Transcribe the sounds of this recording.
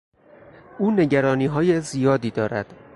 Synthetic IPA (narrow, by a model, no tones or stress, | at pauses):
ʔuːne̞ɟæɾɒːniːɦɒːjezijɒːd̪iːd̪ɒːɾæ̰d̪̥